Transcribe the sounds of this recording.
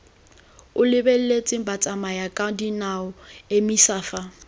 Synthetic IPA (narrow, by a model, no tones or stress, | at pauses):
ʊlɪbel̩let͡sʼɪbat͡sʼamajakʼadinaɔemisaːfa